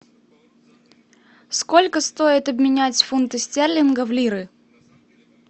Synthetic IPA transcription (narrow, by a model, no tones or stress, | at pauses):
skolʲkəst̪o̞ɪt̪ɐbmʲɪnʲætʲfunt̪ɨsʲtʲerlʲɪnɡəvlʲiɾɨ